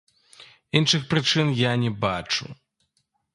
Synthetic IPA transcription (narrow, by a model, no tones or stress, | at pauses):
inʂɨxpɾɨt͡ʂɨnjanʲɛbat͡ʂṵ